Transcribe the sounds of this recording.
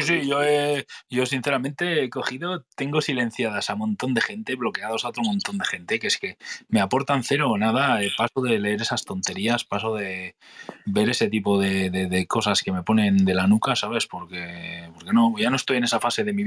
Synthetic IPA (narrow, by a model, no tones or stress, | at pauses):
isiʝo̞eɟ͡ʝo̞sin̟θeɾamẽnt̪e̞ko̞xiðot̪e̞ŋɡo̞sile̞n̟θjaðasamõ̞nt̪o̞nd̪e̞xe̞nt̪e̞βlo̞ke̞aðo̞saot̪ɾo̞mõ̞nt̪o̞nd̪e̞xe̞nt̪e̞keeske̞meapo̞ɾt̪anθe̞ɾo̞naðaepasoðele̞eɾe̞sast̪o̞nt̪e̞ɾiaspasoðe̞ | be̞ɾe̞se̞t̪̬ipo̞ðe̞ðeðeko̞saske̞me̞po̞nẽ̞nd̪e̞lanukasaβe̞spo̞ɾke̞po̞ɾke̞no̞ʝanoest̪oje̞ne̞safase̞ðe̞mi